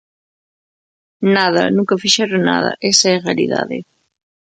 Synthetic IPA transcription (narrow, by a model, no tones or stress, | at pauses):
naðɐ̰nũŋkafiʃɛɾona̰ðɐ̰ʔesaɛrealḭða̰ðɪ̰